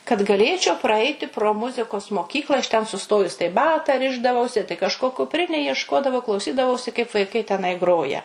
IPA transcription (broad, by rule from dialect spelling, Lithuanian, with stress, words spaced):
kɐt ɡɐˈlʲeːt͡ʃʲɛʊ prɐˈɐɪtʲɪ proː ˈmʊzʲɪkoːs moːˈkʲiːklˠɐ ɐʃ tʲɛn sʊˈstoːjʊs tɐɪ ˈbɑːtɐ ˈrʲɪʒdɐʋɐʊsʲɪ tɐɪ kɐʃˈkoː kʊpʲˈrʲɪnʲeːj iɛʃˈkoːdɐʋɐʊ klˠɐʊˈsʲiːdɐʋɐʊsʲɪ kɐɪp ʋɐɪˈkɐɪ tʲɛˈnɐɪ ˈɡroːjɛ